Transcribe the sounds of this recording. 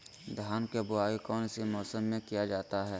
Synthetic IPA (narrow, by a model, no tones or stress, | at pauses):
d̪ʱaːnkebʊaːikɔːnɪsimɔːsəmːẽkijad͡ʒaːt̪aɦɛː